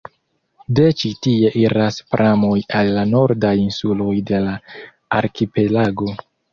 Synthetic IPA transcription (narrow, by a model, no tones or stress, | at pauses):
de̞t͡ʃitie̞ʔiɾaspɾʔamo̞jalːano̞ɾdajinsulo̞jde̞la | aɾkipe̞laɡo̞